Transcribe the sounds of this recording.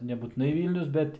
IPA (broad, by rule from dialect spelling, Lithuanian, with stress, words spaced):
nʲɛbuːtʲɪˈnɐɪ ˈʋʲiːlʲnʲʊs ˈbʲɛt